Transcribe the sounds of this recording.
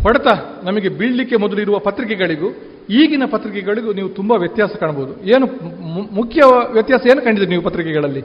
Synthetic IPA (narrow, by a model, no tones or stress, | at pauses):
pɐɽɐt̪anɐmɐɡe̞biɭːikːemɔd̪ɐluiɾuʋɐpɐt̪ɾikɛɡɐɭiɡu | iːɡinɐpɐt̪ɾikɛɡɐɭiɡuniːʋut̪umbɐʋjɐt̪jaːsɐkaːɳɐboːud̪ue̞ːnumukʰjɐʋjɐt̪jaːsɐeːnukɐɳɖid̪ɾniːʋupɐt̪ɾikɛɡɐɭɐlːi